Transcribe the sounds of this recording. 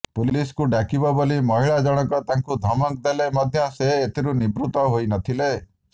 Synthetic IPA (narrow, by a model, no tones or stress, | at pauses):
puliskuɖakibɔbolimɔɦiɭad͡ʒɔɽ̃ɔkɔt̪aŋkud̪ʱɔmɔk̚d̪elemɔd̪ʱjɔseːt̪ʰiɾunibɾut̪ɔɦojnɔt̪ʰile